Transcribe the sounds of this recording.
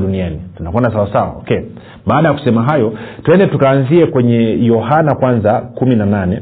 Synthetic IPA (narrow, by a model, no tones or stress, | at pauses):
ɗunianitunakɔndasawasawa̰ɔ̰kɛ | ɓaːɗajaku̥sɛmaɦajɔtuwɛndɛtukaːnziɛkwɛɲɛjɔɦanakwanzakuminananɛ